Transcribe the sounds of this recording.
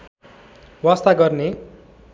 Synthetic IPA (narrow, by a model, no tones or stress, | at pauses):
wast̪aɡʌrne